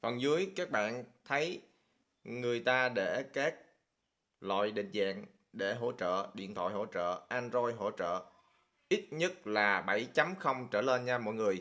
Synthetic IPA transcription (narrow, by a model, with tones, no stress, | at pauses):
fə˨˩nzɨ˨˦əjkaː˦˥k̚ɓa̰ː˧˨nt̪ʰə˨˦j | ŋɨ˨˩əjt̪aː˧ɗe˧˩kaː˦˥k̚ | la̰ː˧˨jɗḭ˧˨ŋ̟za̰ː˧˨ŋ | ɗe˧˩ɦo̰˧˥t͡ɕə̰ː˧˨ɗḭ˧˨ənt̪ʰwa̰ː˧˨jho̰˧˩t͡ɕə̰ː˧˨ʔaː˧nzo˧jɦo̰˧˥t͡ɕə̰ː˧˨ | ʔi˦˥t̚ɲə˦˥t̚laː˨˩ɓə˧˩jt͡ɕa˨˦mxə˧wŋ͡mt͡ɕəː˧˩le˧nɲaː˧mɔ̰˧˨jŋɨ˨˩əj